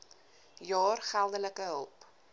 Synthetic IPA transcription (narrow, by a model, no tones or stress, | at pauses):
jɑːrχælˠdələkəɦəlˠp